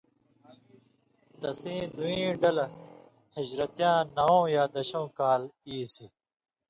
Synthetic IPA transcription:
t̪ɐsĩːd̪uĩːɖɐl | hɐd͡ʑɾɐt̪jãːnɐõːjaːd̪ɐɕõːkaːliːsi

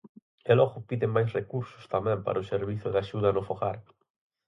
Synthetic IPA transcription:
elɔɣʊpiðɪŋmajsrekuɾsʊ̥st̪amɛ̃mpa̰ɾɐoseɾβiθʊðaʃuðɐnʊfoɣa̰ɾ

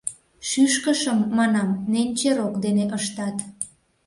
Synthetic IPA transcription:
ʃyʃkəʃəmːɑnɑmnenʲt͡ɕeɾokd̪eneʔəʃt̪ɑt̪

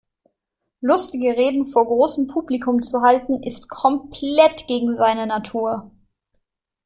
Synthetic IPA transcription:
lʊstɪɡəʁeːdn̩foːɐɡʁoːsm̩pʰuːblikʰʊmt͡suɦaltn̩ɪstkʰɔmpʰlɛtɡ̥eːɡŋ̩zaɪnənatʰuːɐ

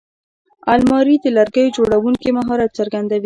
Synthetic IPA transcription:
almɑɾid̪əlaɾɡəjod͡ʒoɽawuŋkimaɦɑɾat̪t͡saɾɡand̪awi

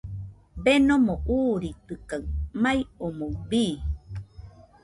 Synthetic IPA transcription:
benomoʔuːɾit̪ɨkaɨmajomobiː

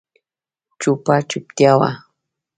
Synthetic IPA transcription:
t͡ʃʊpat͡ʃʊp̚t̪jawa̰

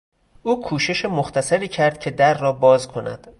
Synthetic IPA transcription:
ʔuːkʰuːʃe̞ʃemoxt̪ʰæsæɾiːcʰæɾd̪̥̚cʰe̞d̪æɾːɒːbɒːzkʰo̞næ̰d̪̥

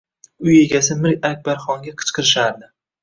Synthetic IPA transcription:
ʊje̞ɡʲasɪmɪɾkʲak̚ʲbaɾχɒŋɡʲaqʰɨ̥t͡ʃqʰɨɾɪʃaɾd̪ɪ

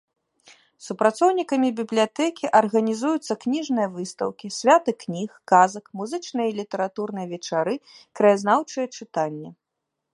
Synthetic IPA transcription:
supɾat̪sɔwnʲikɐmʲibʲiblʲijat̪ɛkʲiʔɐrɣɐnʲizujut̪sːɐknʲiʐnɨjɐvɨst̪ɐ̰wkʲisʲvʲat̪ɨknʲixkazɐkmuzɨt͡ʂnɨjilʲit̪ɛɾat̪uɾnɨjɐvʲɛt͡ʂaɾɨkɾɐjaznawt͡ʂɨjɛt͡ʂɨt̪anʲːɛ

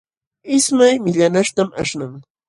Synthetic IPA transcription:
ɪsmajmɪʎanaʃt̪ama̰ʃnaŋ

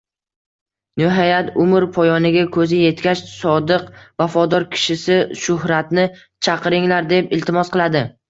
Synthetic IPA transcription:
nɪɦajat̪ʰʊmɪɾpʰɒjɒnɪɡʲakʰɵzɪje̞t̪kʲat͡ʃsɒd̪ɨqvafɒd̪ɒɾkʲʰɪ̥ʃɪsɪʃʊhɾat̪nɪ | t͡ʃʰɑqɨɾɪŋlaɾd̪e̞pɪlt̪ʰɪmɒsqɨlˠad̪ɪ

